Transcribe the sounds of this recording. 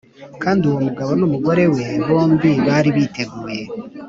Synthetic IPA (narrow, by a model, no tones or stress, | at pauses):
kaːndiuwo̞muɡaβo̞numuɡo̞ɾe̞we̞βo̞ːmbiβaːɾiβite̞ɡuːje̞